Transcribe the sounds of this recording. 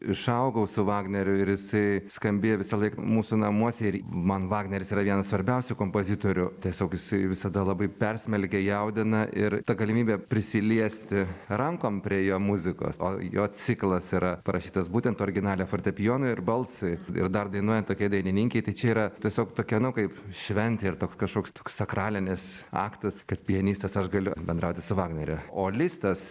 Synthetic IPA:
ɪʃɐʊɡɐʊsʊʋɑːɡnʲɛɾʲʊɪɾjɪsɐɪskɐmʲbʲejoʋʲɪsɐlˠɐɪkmuːsʊnɐmuɔsʲɛɪɾmɐnʋɑːɡnʲɛɾʲɪsiːɾɐʋʲiɛnɐssʋɐɾʲbʲɛʊsʲʊkoːmpoːzʲɪt̪oːɾʲʊt̪ʲiɛsʲoːkjɪsɐɪʋʲɪsɐd̪ɐlˠɑbɐɪpʲɛrʲsʲmʲɛlʲkʲɛjɛʊd̪ʲɪnɐʔɪɾt̪ɐɡɐlʲɪmʲiːbʲɛpʲɾʲɪsʲɪlʲiɛsʲt̪ʲɪrɐŋkoːmpʲɾʲiɛjoːmʊzʲɪko̰ːso̰ːjoːt͡sʲɪklˠɐsiːɾɐpɐɾʔɐʃʲiːt̪ɐsbuːt̪ʲɛnt̪oːɾʲɡʲɪnɑːlʲɛfoːɾʲt̪ʲɛpʲɪjoːnʊɪɪrbɐlˠsɐɪɪ̰rd̪ɐrd̪ɐɪnuɔjɛnt̪oːkʲiɛɪd̪ɐɪnʲɪnʲɪːŋʲkʲɛɪt̪ɐɪt͡ʃʲɛiːɾɐt̪ʲiɛsʲoːkt̪oːkʲɛɐnʊkɐɪpʃʲʋʲɛnʲt̪ʲeɪrt̪oːkskɐʃkoːkst̪oːkssɐkrɑːlʲɪnʲɪsɑ̰ːkt̪ɐskɐt̪̚pʲɪɛnʲiːst̪ɐsɐʃɡɐlʲʊbʲɛnd̪ɾɐʊt̪ʲɪsʊʋɑːɡnʲɛɾʲʊoːlʲist̪ɐs

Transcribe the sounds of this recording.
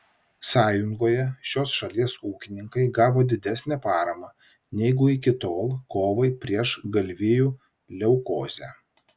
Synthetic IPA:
sɑːjʊŋɡoːjɛʃʲoːsʃɐlʲiɛsuːkʲɪnʲɪŋkɐɪɡɑːʋoːd̪ʲɪd̪ʲæsʲnʲɛpɑːɾɐmɑ | nʲɛɪɡʊɪkʲɪt̪oːlˠkoːʋɐɪpʲɾʲiɛʃɡɐlʲʋʲɪjuː | lʲɛʊkoːzʲæː

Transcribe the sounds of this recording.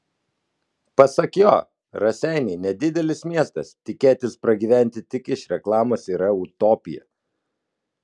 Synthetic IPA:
pɐsɐkjoː | ɾɐsʲɛˑɪnʲɛɪnʲɛd̪ʲɪd̪ʲɛlʲɪsmʲiɛst̪ɐst̪ʲɪkʲeːt̪ʲɪspɾɐɡʲiːʋʲæˑnʲt̪ʲɪt̪ʲɪkɪʃɾʲɛklˠɑːmoːsiːɾɐʊt̪ɔːpʲɪjɛ̰

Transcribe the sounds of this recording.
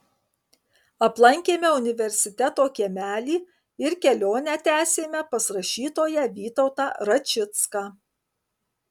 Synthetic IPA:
ɐplˠɐŋʲkʲeːmʲɛʊnʲɪʋʲɛɾʲsʲɪt̪ʲɛt̪oːkʲiɛmʲæːlʲiː | ɪɾkʲɛlʲoːnʲæt̪ʲæːsʲeːmʲɛpɐsɾɐʃʲiːt̪oːjɛʋʲiːt̪ɔʊt̪ɑːɾɐt͡ʃʲɪt̪skɑː

